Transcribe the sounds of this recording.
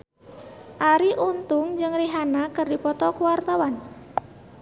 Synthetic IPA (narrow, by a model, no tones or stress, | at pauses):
ʔaɾiʔunt̪ʊŋd͡ʒɨŋriɦanakərdipɔt̪ɔkuwart̪awan